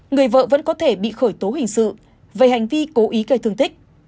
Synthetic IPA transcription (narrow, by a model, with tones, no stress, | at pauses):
ŋɨ˨˩əjvə̰ː˧˨və̰˧˥nkɔ˨˦t̪ʰe˧˩ɓḭ˧˨xəː˧˩jt̪o˨˦ɦï˨˩ŋ̟sɨ̰˧˨ | ve˨˩ha˨˩jŋ̟vi˧ko˨˦ʔi˨˦kə˨˩t̪ɨ˨˩əŋt̪ï˦˥k̟̚